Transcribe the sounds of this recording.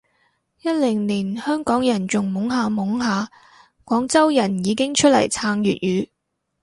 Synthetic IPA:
jɐ˥t̚lɪ˨˩ŋliː˨˩nhœː˥ŋkɔː˨˥ŋjɐ˨˩nt͡sʊ˨ŋmʊ˨˥ŋɦaː˨˧mʊ˨˥ŋɦaː˨˧ | kʷɔː˨˥ŋt͡sɐ˥wjɐ˨˩njiː˨˧kɪ˥ŋt͡ʃʰɵ˥t̚lɐ̰˨˩jt͡sʰaː˧ŋjyː˨t̚jyː˨˧˥

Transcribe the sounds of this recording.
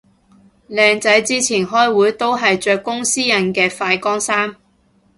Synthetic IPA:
lɛː˨˧ŋt͡sɐ˨˥jt͡siː˥t͡sʰiː˨˩nɦɔː˥jwuː˨˥jt̪o˥wɦɐ˨jt͡ʃœː˧kːʊ˥ŋsiː˥jɐ˨˩nkɛː˧faː˧jkɔː˥ŋsaː˥m

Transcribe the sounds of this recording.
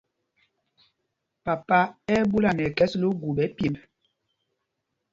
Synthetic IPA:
pa˨pa˦ɛ˦bu˦la˨nɛ˨kɛ˦slo˦ɡu˨bɛ˨˦pi˨p

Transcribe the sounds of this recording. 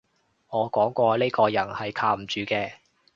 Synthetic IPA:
ŋɔː˨˧kɔː˨˥ŋkʷɔː˧le˥jkɔː˧jɐ˨˩nhɐ˨jkʰaː˧m̩˨˩t͡ʃyː˨˧kɛː˧

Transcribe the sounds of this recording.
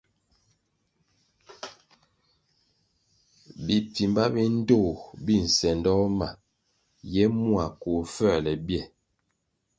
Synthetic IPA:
bi˨pi˨mba˦bi˦n̩˦do˦˨bi˦˨n̩˨sɛ˨ndɔ˦ma˨ | jɛ˦mu˦a˨ko˨fɛ˦˨lɛ˨bjɛ˦˨

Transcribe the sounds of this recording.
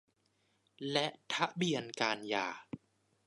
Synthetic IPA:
lɛ˦˥ʔt̪ʰa˦˥ʔbi˨ənkaː˧nja̰ː˨˩

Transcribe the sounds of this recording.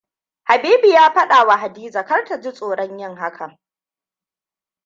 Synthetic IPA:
ha˨biː˦bi˨jaː˦ɸɐ˦ɗa˨wa˨ɦa˨diː˦zaː˨kɐ˦rta˨d͡ʒi˦sʼoː˨ɽɔ˦ɲjɪ˦ŋɦa˦kʰa˨

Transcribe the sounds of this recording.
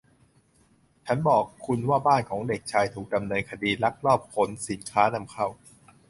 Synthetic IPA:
t͡ɕʰa˦˥nbɔː˨˩kʰːu˧nwaː˥˩baː˥˩nkʰɔː˩˦ŋde˨˩k̚t͡ɕʰaː˧jt̪ʰuː˨˩k̚da˧mnɤː˧nkʰa˧diː˧la˦˥k̚ɾɔː˥˩p̚kʰo˩˦nsi˩˦nkʰaː˦˥na˧mkʰa˥˩w

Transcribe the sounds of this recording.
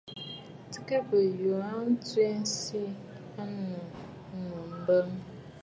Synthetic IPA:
ti˦ka˦bə˨ju˨a˦n̩˦tu˦e˦n̩˦si˦ | a˦nʊ˨ | mu˨m̩˦bə˦m˦

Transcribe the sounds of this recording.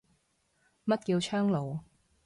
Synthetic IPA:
mɐ˥t̚kiː˧wt͡ʃʰœː˥ŋlo˨˧w

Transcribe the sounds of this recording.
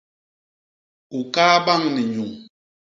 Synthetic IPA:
u˨kaː˦ba˦˨ŋni˨ɲu˨ŋ

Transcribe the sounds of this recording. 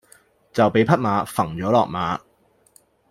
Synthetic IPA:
t͡sɐ˨wpe˨˧jpʰɐ˥t̚maː˨˧fɐ˨˩ŋt͡ʃɔː˨˥lɔ̰ː˨k̚maː˨˧

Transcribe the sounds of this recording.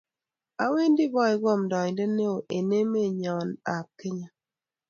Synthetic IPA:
a˦we˦ndi˦bɔ˦ɪ˦ɡwɔ˦˨mdɔ˨ɲ˨de˦ne˦o˨ʔe˨ne˦me˦˨ɲɔ˨na˨p̚ke˦ɲa˨

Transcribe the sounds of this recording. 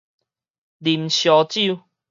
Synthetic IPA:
li˨˩mɕjɔ˨˦t͡ɕi˥˨u˧

